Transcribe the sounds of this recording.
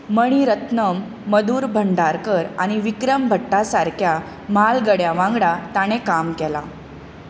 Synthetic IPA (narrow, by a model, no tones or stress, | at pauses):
məɽ̃iɾət̪nəmː | əd̪uːɾbʱəɳɖaɾkəɾaɽ̃iʋikɾəmbʱəʈːasaɾkʰja | malɡəɽjaʋãŋɡɽat̪aɽ̃ekamkɛla̰